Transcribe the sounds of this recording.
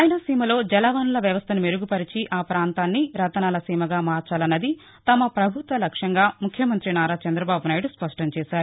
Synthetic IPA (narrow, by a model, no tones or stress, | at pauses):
aːjɐnɐsiːmɐlo̞ːd͡ʒɛlaːʋaːnulɐʋjɐʋɐst̪ʰɐnumeɾuɡupɐɾit͡ʃiʔaːpɾaːnt̪aːnːiɾɐt̪ɐnaːlɐsiːmɐɡaːmaːɾt͡ʃaːlɐnːɐd̪i | t̪ɐmɐpɾɐbʱut̪ʋɐlɐkʂɐŋɡaːmukʰjɐmɐnt̪ɾinaːɾaːt͡ʃɐnd̪ɾɐbaːbunaːjiɽuspɐʂʈɐmt͡ʃɛːsaːɾu